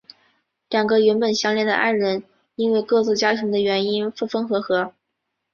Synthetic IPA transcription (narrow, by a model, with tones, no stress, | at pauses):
ljɑ˨˩ŋɡə˧ɥə˧˥npə˨˩nɕjɑ˥ŋljɛ˥˩nd̪ə̰˩ʔa˥˩ɻə˧˥n | i˥nwe˥˧ɪkɤ˥˧t͡sɹ̩˥˩t͡ɕja˥t̪ʰɤ˧˥ŋd̪ə˧ɥɛ˧˥ni˥nfu˥˩fə˥ŋxɤ˧˥xɤ˧˥